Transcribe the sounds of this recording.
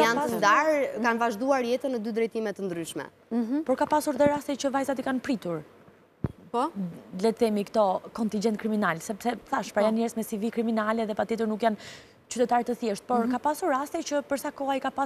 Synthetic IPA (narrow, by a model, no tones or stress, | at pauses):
jantənd̪aɾkanvaʒd̪uaɾjɛt̪ənəd̪yd̪ɾɛjt̪imɛt̪ːənd̪ɾyʃmɛ̰ | pɔɾkapasuɾðɛɾast̪ɛt͡ɕəvajzat̪ikanpɾit̪uɾ | pɔlɛt̪ɛmikt̪ɔkɔnt̪ind͡ʒɛnt̪̚kɾiminalsɛpsɛθaʃpɾajanɲɛɾsmɛsivikɾiminalɛðɛpat̪jɛt̪əɾnukjan | t͡ɕyt̪ɛt̪aɾt̪əθjɛʃt̪̚pɔɾkapasuɾːast̪ɛt͡ɕəpəɾsakɔajkapa